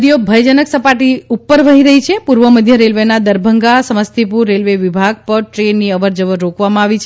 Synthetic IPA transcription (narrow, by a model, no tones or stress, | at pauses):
d̪ijobʱəjd͡ʒənəksəpaʈiupːəɾʋəɦiɾəɦit͡ʃʰepuɾʋəməd̪ʱjəɾelʋenad̪əɾbʱəŋɡasəməst̪ʰipuɾːelʋeʋibʱaɡ̚pəɾʈɾenːiəʋəɾd͡ʒəʋəɾːokʋamãaʋit͡ʃʰ